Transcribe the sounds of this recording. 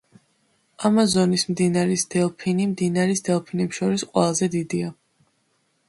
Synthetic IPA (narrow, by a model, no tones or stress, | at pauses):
amazɔnismd̪inaɾisd̪̥ɛlˠpʰinimd̪inaɾisd̪ɛlˠpʰinɛpʃɔɾisqʼwɛlˠazɛd̪id̪ia